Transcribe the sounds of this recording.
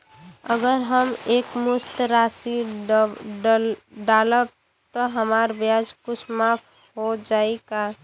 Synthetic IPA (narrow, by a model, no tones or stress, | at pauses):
əɡəɾɦəmeːkmʊst̪ɾaːsi | ɖaːləb̚ | t̪ɔɦəmaːɾbjad͡ʒkʊt͡ʃʰmapʰ | ɦod͡ʒaːeka